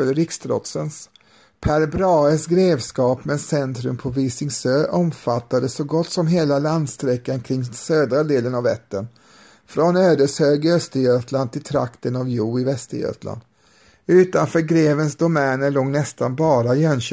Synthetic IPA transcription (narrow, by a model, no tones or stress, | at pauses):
œləɾɪkst̪ɾɔ̰t̪səns | pʰæɾbɾɑːəsɡɾeːvskɑːpmɛsɛnt̪ɾɵmpʰɔvɪsɪŋsøːʔɔmfat̪ːad̪əsɔɡɔt̪ːsɔmɦeːlaland̪st̪ɾɛkːankʰɾɪŋːsøːd̪ɾad̪eːlənavɛt̪ːən | fɾɔnøːd̪əshøːɡəœst̪əjøːt̪land̪̚t̪ʰɪlt̪ʰɾa̰kt̪ənavjuːɪvɛst̪əjø̰ːt̪la̰nd̪̥ | ʉ̟ːt̪anfœːɾɡɾeːvənsd̪ʊmɛːnəloːɡnɛst̪anbɑːɾajɛnɕ